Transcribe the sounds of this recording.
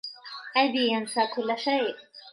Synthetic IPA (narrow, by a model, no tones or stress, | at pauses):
ʔajd̪iːjansaːkʊlːaʃaːʔ